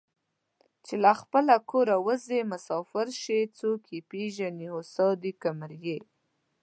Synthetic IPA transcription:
t͡ʃelaxpəlakoɾawəzemʊsɑfɪɾʃet͡sokʰipeʒaniosɑd̪ikamɾje

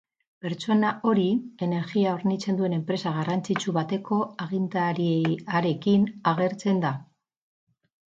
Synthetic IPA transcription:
pe̞ɾt͡ʃo̞naʔo̞ɾie̞ne̞ɾɣiaoɾnit͡se̞nd̪ue̞ne̞mpɾe̞saɣarant͡sit͡suβat̪e̞ko̞aɣ̞ind̪aɾieaɾe̞kinaɣe̞ɾt͡se̞nd̪a

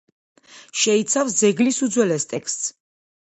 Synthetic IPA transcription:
ʃɛit̪sʰafsd̪zɛɡlisud̪zwɛlɛst̪ʼɛkʰst̪ʼs

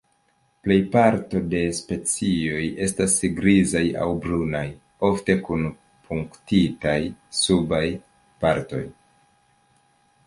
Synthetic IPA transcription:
ple̞jpaɾto̞de̞spe̞t͡sio̞je̞stasɡɾizaja̰wbɾunaj | o̞fte̞kun | pʰuŋktitajsubaj | paɾto̞̰j

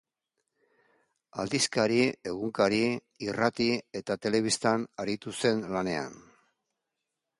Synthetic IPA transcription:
a̰ld̪iskaɾie̞ɣ̞uŋkaɾi | irat̪ie̞t̪at̪e̞le̞βist̪anaɾit̪use̞nlane̞a̰n

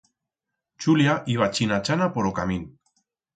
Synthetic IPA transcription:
t͡ʃuljaʔiβat͡ʃinat͡ʃanapoɾokamin

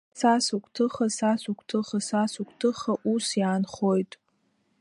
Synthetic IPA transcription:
sasukʷʰʼtʰɨχasasukʷʰʼtʰɨχasasukʷʰʼtʰɨχaʔusjaːnχojtʼ

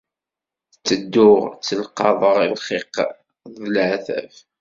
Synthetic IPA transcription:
t͡sːəd̪ːʊʁt͡sːəlqɑðˤəʁilχiq | ðəlʕθæ̰v

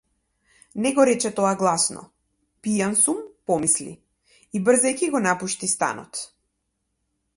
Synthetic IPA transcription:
nɛɡɔɾɛt͡ʃɛt̪ɔaɡlˠasnɔ̰ | pijansumpɔmislḭ | ibr̩zɛjkiɡɔnapuʃt̪ist̪a̰nɔ̰t̪

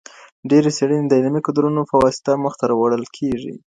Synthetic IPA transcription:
ɖeɾeseɽəned̪əɪlmikʊd̪ɾunofawɑsɪ̥t̪aməxt̪aɾawaɽəlkʰeʐḭ

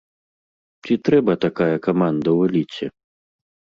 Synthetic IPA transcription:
t͡sʲit̪ɾɛbɐt̪akajɐkamand̪ɐwɛlʲit͡sʲɛ̰

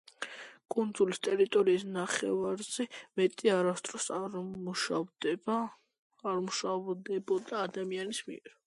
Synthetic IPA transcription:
kʼund̪zulist̪ʼɛɾit̪ʼɔɾiːsnaχɛ̰vaɾz̥ɛmɛt̪ʼiaɾast̪ʼɾɔsmuʃad̪ | aɾmuʃd̪ɛbɔd̪aːd̪amianismḭɛɾ

